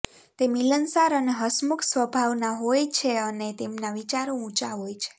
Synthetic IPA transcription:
t̪emilənsaɾəneɦəsmuksʋəbʱaʋnaɦojt͡ʃʰeənet̪emnaʋit͡ʃaɾõũt͡ʃaɦojt͡ʃʰe̥

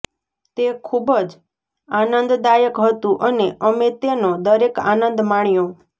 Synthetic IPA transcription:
t̪ekʰubəd͡ʒ | anənd̪d̪ajəkɦət̪ũʔəneʔəmet̪enod̪əɾeka̰nənd̪maɳ̃jõ

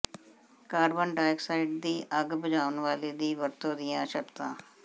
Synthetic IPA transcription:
kaːɾbənɖaːɪksaːɪɖ̚d̪iːʔəɡbəd͡ʒaːʋənʋaːleːd̪iːʋəɾt̪õːd̪ɪjãːʃəkt̪ã̰ː

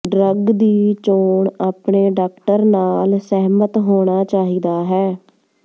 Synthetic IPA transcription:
ɖɾəɡd̪iːt͡ʃoːɳaːpɳeːɖaːkʈəɾnaːlsɛɦmət̪ɦoːɽ̃aːt͡ʃaːɦiːd̪aːɦɛː

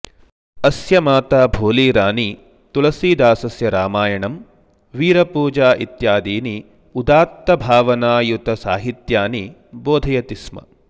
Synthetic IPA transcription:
ɐsjɐmaːt̪aːbʱoːliːɾaːni | t̪ulɐsiːd̪aːsɐsjɐɾaːmaːjɐɳɐm | ʋiːɾɐpuːd͡ʒaːʔit̪jaːd̪iːni | ud̪aːt̪ːɐbʱaːʋɐnaːjut̪ɐsaːɦit̪jaːni | boːd̪ʱɐjɐt̪ismɐ̰

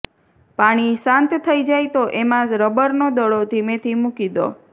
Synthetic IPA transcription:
paɽ̃isãnt̪t̪ʰəid͡ʒajt̪oʔemãɾəbəɾnod̪əɭot̪ʰimẽt̪ʰimukid̪o̰

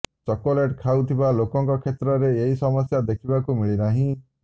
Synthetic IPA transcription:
t͡ʃɔkoleʈkʰawt̪ʰibalokɔŋkɔkʰet̪ɾɔɾeeɦisɔmɔsjad̪ekʰibakumiɭinaɦĩ

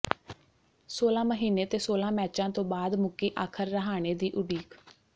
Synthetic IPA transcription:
soːlãːməɦiːneːt̪eːsoːlãːmɛːt͡ʃãːt̪õːbaːd̪mʊkiːʔaːkʰəɾːəɦaːɽ̃eːd̪iːʔʊɖiːk

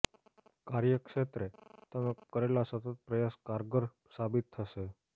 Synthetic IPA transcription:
kaɾjəkʂet̪ɾet̪əməkəɾelasət̪ət̪̚pɾəjaskaɾɡəɾ | sabit̪ʰːəʃe

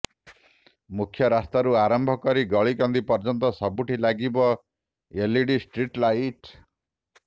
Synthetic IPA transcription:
mukʰjɔɾast̪aɾuaɾɔmbʱɔkɔɾiɡɔɭikɔnd̪ipɔɾd͡ʒɔnt̪ɔsɔbuʈʰilaɡibɔ | eliɖisʈɾiʈlajʈ

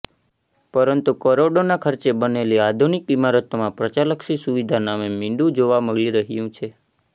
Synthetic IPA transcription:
pəɾənt̪ukəɾoɖonakʰəɾt͡ʃebəneliad̪ʱunikimaɾət̪omãpɾət͡ʃaləksisuʋid̪ʱanamemɪ̃ɳɖũd͡ʒoʋaməɡliɾəɦjũt͡ʃʰe

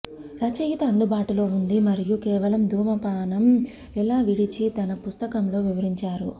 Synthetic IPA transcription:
ɾɐt͡ʃɐjit̪ɐɐnd̪ubaːʈulo̞ːund̪imɐɾijukɛːʋɐlɐmd̪ʱuːmɐpaːnɐm | ɛlaːʋiɽit͡ʃit̪ɐnɐpust̪ɐkɐmlo̞ːʋiʋɐɾiɲt͡ʃaːɾṵ

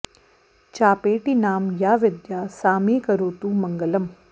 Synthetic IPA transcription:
t͡ʃaːpeːʈinaːmjaːʋɪd̪jaːsaːmeːkɐɾoːt̪umɐŋɡəlɐm

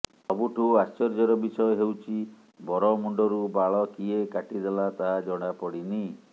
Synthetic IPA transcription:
ɔbuʈʰuast͡ʃɔɾd͡ʒɔɾɔbisɔjɔɦewt͡ʃʰi | bɔɾɔmuɳɖɔɾubaɭɔkiekaʈid̪elat̪aɦad͡ʒɔɽ̃apɔɽini

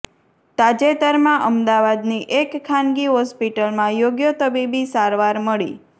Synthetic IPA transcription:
t̪ad͡ʒet̪əɾmãʔəmd̪aʋad̪niʔekkʰːanɡiɦɔspiʈəlmãjoɡjət̪əbibisaɾʋaɾməɭḭ

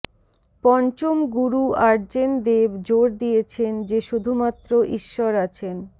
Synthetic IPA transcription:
pɔnt͡ɕomɡuɾuaɾd͡ʑend̪ebd͡ʑoɾd̪ijet͡ɕʰend͡ʑeʃud̪ʱumat̪ːɾoʔiʃːɔɾat͡ɕʰen

